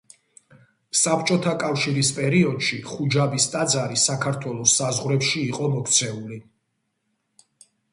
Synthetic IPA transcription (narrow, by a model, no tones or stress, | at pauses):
sapt͡ʃʼɔt̪ʰakʼafʃiɾispʼɛɾiɔd̪̥ʃiχud͡ʒabist̪ʼad̪zaɾisakʰaɾt̪ʰwɛlˠɔsːazʁɾɛpʃiːqʼɔmɔkʰt̪sʰɛuli